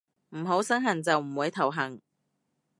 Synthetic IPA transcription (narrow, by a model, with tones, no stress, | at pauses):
m̩˨˩ɦo˨˥wsɐ˥ŋɦɐ˨˩ŋt͡sɐ˨wm̩˨˩wuː˨˥jt̪ʰɐ˨˩wɦɐ˨˩ŋ